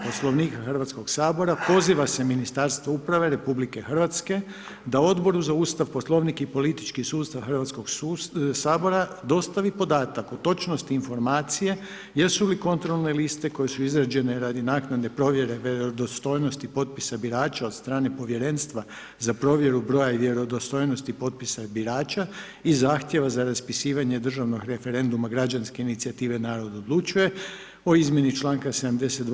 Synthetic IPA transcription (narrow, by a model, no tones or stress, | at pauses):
po̞slˠo̞ʋniːkaxr̩ʋat̪sko̞ɡsaːbo̞ɾapo̞ziʋase̞minist̪aɾst̪ʋoupɾaʋe̞ɾe̞publike̞xrʋat̪ske̞ | d̪ao̞d̪bo̞ɾuzauːst̪aʋpo̞slˠo̞ʋnikipo̞lit̪i̥t͡ʃkisuːst̪aʋxrʋat̪sko̞ɡssaːbo̞ɾa | d̪o̞st̪aʋipo̞d̪aːt̪akot̪ːo̞t͡ʃno̞st̪iːnfo̞ɾmaːt̪sije̞ | jesuliko̞nt̪ɾo̞lˠne̞list̪e̞ko̞je̞suizɾad͡ʒe̞ne̞ɾad̪inaːknad̪e̞pɾo̞ʋje̞ɾe̞ʋjeɾod̪ost̪o̞jno̞st̪ipo̞t̪̚pisabiɾaːt͡ʃao̞d̪st̪ɾaːne̞po̞ʋje̞ɾe̞nst̪ʋa | zapɾo̞ːʋje̞ɾubɾo̞ːjaiʋje̞ɾo̞d̪ost̪o̞jno̞st̪ipo̞t̪̚pisabiɾaːt͡ʃa | izaːxt̪je̞ʋazaɾaspisiːʋaɲe̞d̪r̩ʒaʋno̞ɡɾe̞fe̞ɾe̞nd̪umaɡɾad͡ʒanske̞init̪siat̪iːʋe̞naːɾo̞d̪aod̪lˠut͡ʃuje̞ | o̞izmje̞nit͡ʃlˠaːŋkase̞d̪amd̪eset̪d̪